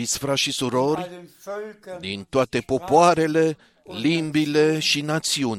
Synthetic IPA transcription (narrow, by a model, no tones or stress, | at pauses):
it̪sʲfɾaʃisuɾo̞rʲ | d̪int̪oat̪e̞po̞poaɾe̞le̞ | limbile̞ʃinat̪siunʲ